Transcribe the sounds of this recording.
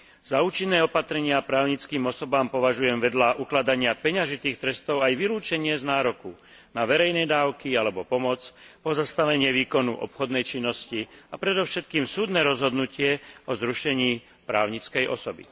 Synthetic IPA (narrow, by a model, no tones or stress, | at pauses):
z̥auːt͡ʃinːɛːɔpat̪ɾɛɲɪapɾaːʊɲit͡skiːmɔsɔbaːmpɔʋaʒujɛmʋɛd̪laʔuklad̪aɲɪapɛɲaʒit̪iːxt̪ɾɛst̪ɔʊajʋiluːt͡ʃɛɲɪɛznaːɾɔku | naʋɛɾɛjnɛjd̪aːʊkialɛbɔpɔmɔt͡spɔzast̪aʋɛɲɪɛʋiːkɔnṵʔɔ̰pxɔd̪nɛjt͡ʃinːɔsciapɾɛd̪ɔʊʃɛt̪kiːmsuːd̪nɛːɾɔzɦɔd̪nucɪɛɔzɾuʃɛɲiː | pɾaːʊɲit͡skɛjʔɔ̰sɔbḭ